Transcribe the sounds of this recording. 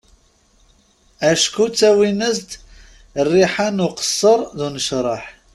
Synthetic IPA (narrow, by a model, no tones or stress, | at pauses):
æʃkut͡sːæwinəzt̪ | rːiħanuqə̥sˤːəɾˤðunəʃɾˤɑħ